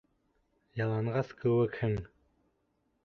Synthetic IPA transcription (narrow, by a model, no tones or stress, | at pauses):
jɑlˠɑnʁɑskɵwɘkhɘŋ